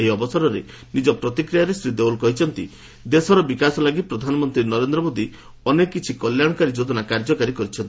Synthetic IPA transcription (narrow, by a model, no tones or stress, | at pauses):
ɦiɔbɔsɔɾɔɾe | nid͡ʒɔpɾɔt̪ikɾijaɾesɾid̪eulkɔɦit͡ʃʰɔnt̪ḭ | d̪esɔɾɔbikasɔlaɡipɾɔd̪ʱanɔmɔnt̪ɾinɔɾend̪ɾɔmod̪i | ɔnekːit͡ʃʰikɔljaɽ̃ɔkaɾid͡ʒod̪ɔnakaɾd͡ʒɔkaɾikɔɾit͡ʃʰɔnt̪i̥